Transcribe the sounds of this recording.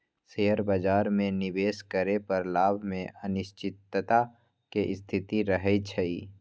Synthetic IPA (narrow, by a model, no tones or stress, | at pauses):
seːəɾbad͡ʒaːɾmẽnɪbeːskəɾepəɾlaːbʱmẽʔənɪʃt͡ʃɪt̪ːt̪a | keʔɪst̪ʰɪt̪iɾəɦɛt͡ʃʰəiː